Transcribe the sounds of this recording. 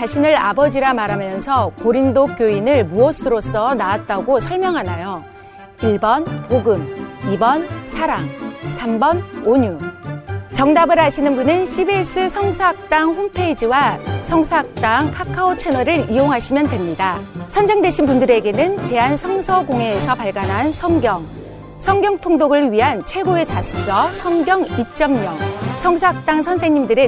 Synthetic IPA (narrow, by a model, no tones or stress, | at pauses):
t͡ɕaɕʰinɯɾa̰bʌd͡ʑiɾamaɾɦamjʌnsʰʌkoɾindok͈joinɯɭmuʌsʰɯɾos͈ʰʌnaat̚t͈aɡosʰʌɭmjʌŋɦanajo | iɭbʌnpoɡɯmibʌnsʰaɾaŋsʰambʌnoɲu | t͡ɕʌŋdabɯɾɦaɕʰinɯnbunɯnɕʰibes͈ɯsʰʌŋsʰoɦak̚t͈aŋɸompʰe̞id͡ʑiwasʰʌŋsʰaak̚t͈aŋkʰakʰaot͡ɕʰe̞nʌɾɯɾioŋɦaɕʰimjʌndwe̞mɲidasʰʌnd͡ʑeŋdwe̞ɕʰinpundɯɾe̞ɡe̞nɯnte̞ɦansʰʌŋsʰʌɡoŋe̞ːsʰʌpaɭɡanɦansʰʌŋɡjʌŋ | sʰʌŋɡjʌŋtʰoŋdoɡɯɭɥiɦant͡ɕʰwe̞ɡoe̞t͡ɕasʰɯ̥k̚s͈ʌsʰʌŋɡjʌŋit͡ɕ͈ʌmɲʌŋsʰʌŋsʰʌɦak̚t͈aŋsʰʌnsʰe̞ŋɲimdɯɾe